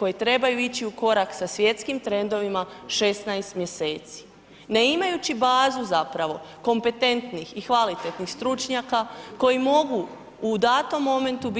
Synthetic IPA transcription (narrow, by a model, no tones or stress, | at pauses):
ko̞jet̪ɾe̞bajuit͡ɕiuko̞ɾaksasʋje̞t̪skimt̪ɾe̞nd̪o̞ʋimaʃe̞snajst̪mje̞se̞ːt̪si̥ | ne̞imajut͡ɕibaːzuzapɾaʋo̞ | ko̞mpe̞t̪e̞nt̪nixixʋalit̪e̞t̪nixst̪ɾut͡ʃɲakako̞jimo̞ɡuː | d̪aːt̪o̞mːo̞me̞nt̪ub